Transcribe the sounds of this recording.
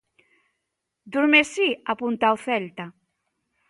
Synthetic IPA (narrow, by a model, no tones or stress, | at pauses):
d̪uɾmesiapunt̪awθɛlt̪a